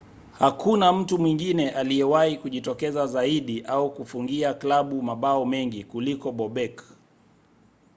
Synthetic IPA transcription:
hakunam̩tumwiŋɡinɛʔalijɛwahikuʄitɔkɛzazaiɗiʔaukufuŋɡiaklaɓumaɓaɔmɛŋɡikulikɔɓɔɓɛk

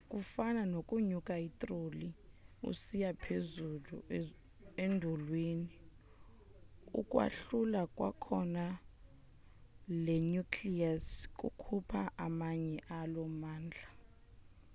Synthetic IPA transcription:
kʼufananokʼuɲukʼaitʼroliṵsijapʰezulṵ | endʱulwini | ṵkʼwa̰ɬulakʼwa̰kʰɔna | lɛɲukʰliask̬ʼṵkʰupʰaʔamaɲɛʔalɔmaːnd͡ɮʱa

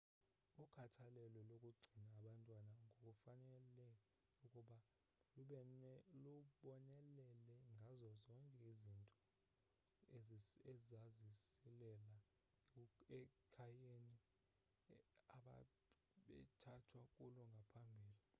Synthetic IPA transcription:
ukʰatʰalɛlɔlokʼuɡ͡ǀʱinaːɓantʼwanaŋɡʱokʼufanɛlɛ | ukʼuɓa | luɓɔnɛlɛlɛŋɡʱazɔzɔŋkʼɛizintʼɔ | ɛzazisilɛla | ɛkʰajeni | aɓa̰ | ɓɛ̰tʰatʰwakʼulɔŋɡʱapʰambʱiːli

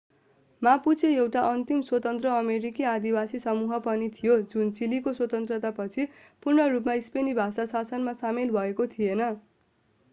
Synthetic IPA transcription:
maput͡sʰeewʈaʔʌnt̪imswʌt̪ʌnt̪rʌːmeɾikiad̪iwasisʌmuɦʌpʌnit̪ʰijod͡zunt͡silikoswʌt̪ʌnt̪rʌt̪apʌt͡sʰi | purnʌrupmaispenibʱasasasʌnmasamilbʱʌekot̪ʰijenʌ

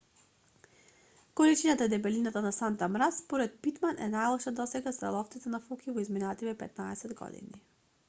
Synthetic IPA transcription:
kolit͡ʃinat̪aid̪ɛbɛlinat̪anasant̪amɾaspɔɾɛt̪̚pit̪manʔɛ̰najlˠɔʃad̪ɔsɛɡast̪ɾɛ̰lˠɔft̪sit̪ɛnafɔkivɔizminat̪ivɛpɛ̰t̪naɛsɛd̪ɡɔ̰d̪ḭni

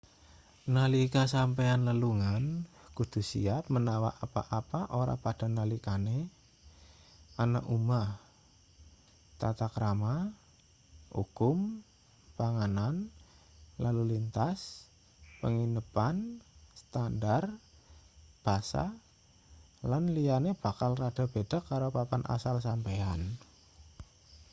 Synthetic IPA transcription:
nalikasampeanləluŋan | kud̪̥ṳsḭap̚mənawa̰ʔapa̰ʔapaʔoɾa̰pad̥a̤nalikane | ana̰ʔumah | t̪at̪akəɾama | ṵkʊm | paŋanan | lalulint̪as | pəŋinəpanst̪andar | b̥a̤sa̰ | lanlianeb̥a̤kalrad̥a̤b̥e̤d̥a̤kːaɾopapanʔa̰salsampean

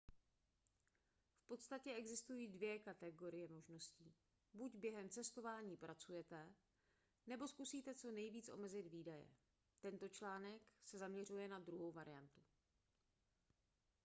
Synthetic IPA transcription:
fpo̞t̪st̪acɛʔɛɡzɪst̪ujiːdvjɛkat̪ɛɡo̞ɾɪjɛmo̞ʒno̞sciː | bucbjɛɦɛmt͡sɛst̪o̞vaːɲiːpɾʔat͡sujɛt̪ɛ | nɛbo̞skusiːt̪ɛt͡so̞nɛjviːt͡sʔo̞̰mɛzɪd̪viːdajɛ̰ | t̪ɛnt̪o̞t͡ʃlaːnɛksɛzamɲɛrujɛnad̪ɾuɦo̞wvaɾɪjant̪u

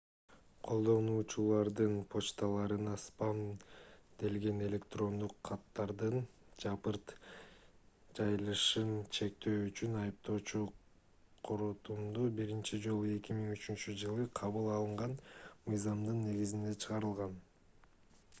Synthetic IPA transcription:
qʰo̞lˠd̪o̞nuːt͡ʃulˠɑɾd̪ɯnpʰo̞t͡ʃt̪alˠɑɾɯnɑspɑm | d̪e̞lɡe̞ne̞lʲe̞kt̪ro̞nd̪uqʰːɑt̪ːɑɾd̪ɯnd͡ʒɑpɯɾt̪ | d͡ʒɑjɯlˠɯʃɯnt͡ʃʰe̞k̚t̪ʰø̞ːyt͡ʃynɑjɯp̚t̪o̞ːt͡ʃu | qʰoɾot̪umd̪ubiɾint͡ʃid͡ʒo̞lˠue̞kʲimiŋyt͡ʃynt͡ʃyd͡ʒɯlˠɯqʰɑβɯlˠɑlˠɯɴʁɑnmɯjzɑmd̪ɯnːe̞ɡizind̪e̞t͡ʃʰɯʁɑɾɯlˠʁɑn

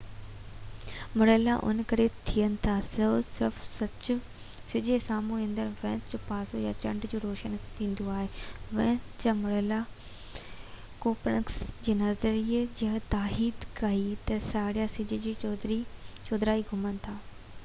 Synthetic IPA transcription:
mʊɽeːlaʔʊ̰nkɐɾet̪ʰijənɪ̆t̪ʰasɐsɪɾfsɐt͡ɕʊ̆ | sɪd͡ʑesaːmũẽnd̪əɾʋɛ̃ːnsd͡ʑoːpaːsojat͡ɕɐ̃ɳɖd͡ʑoːɾoːʃənt̪ʰĩːn̆d̪oaːɦeʋɛ̃ːnsd͡ʑamʊɾeːla | koːpɾə̰ksd͡ʑeːnɐzəɾied͡ʑɐɦt̪aːɦiːd̪kɐit̪ɐsaːɽijasɪd͡ʑed͡ʑid̪ɾit͡ɕoːd̪ɾaːiɡʱʊmənɪ̆t̪ʰaː

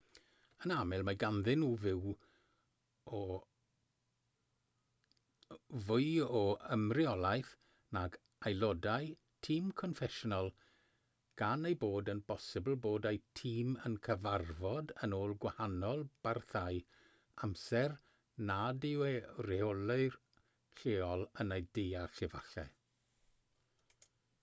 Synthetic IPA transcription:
ənamɪlˠmaɡanðɪnuːvɪw | ɔ | vʊɨɔəmrɪɔlˠajθ | naɡ | ajlɔdaj | tʰiːmkʰɔnfɛʃɔnɔlˠ | ɡ̥anejboːdənpʰɔsɪbl̩ˠboːdejtʰiːmənkʰəvarvɔdənoːlˠɡwahanɔlˠb̥arθaj | amsɛr | nadɪwerɛɔlɪr | ɬeːɔlˠənejdejarɬɪva̰ɬɛ̰

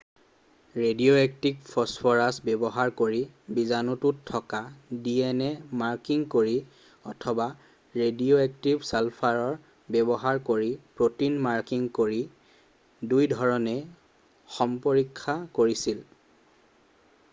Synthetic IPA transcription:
ɹedioɛk̚tikpʰɔspʰɔɹasbɛbɔɦaɹkoɹibizanututʰːɔkadiɛnɛmaɹkiŋkoɹi | ɔtʰɔba | ɹedioɛk̚tibsɛlpʰaɹɔɹ | bɛbɔɦaɹkoɹipɹotinmaɹkiŋkoɹi | dujdʱɔɹɔnɛ | xɔmpoɹikʰːakoɹisil

